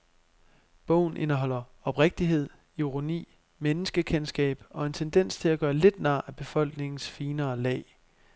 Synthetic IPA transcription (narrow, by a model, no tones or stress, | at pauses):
b̥ɔ̰ʊ̰n̩ʔe̝nɐɦɒ̽l̰ɐɒ̽b̥ʁeɡ̥̚d̥iɦe̝ð̰ˠ | iʁo̝nḭː | menəsɡ̥əkʰensɡ̥ɛ̰ːb̥ɒ̽e̝nt͡sʰend̥en̰st͡sʰe̝læɡ̥ɶːɐle̝d̥næ̰̈ːæb̥e̝fɒ̽l̰ɡ̥ne̝ŋn̩sfiːnɐːlɛ̰ːɪ